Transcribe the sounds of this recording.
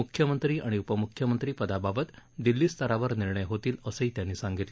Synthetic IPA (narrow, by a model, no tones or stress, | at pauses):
ukʰjəmənt̪ɾiːʔa̰ɽ̃iupəmukʰjəmənt̪ɾiːpəd̪ababət̪d̪ilːiːst̪ʰəɾaʋəɾniɾɳəjɦot̪iːləsəiːt̪janːiːsãŋɡit̪le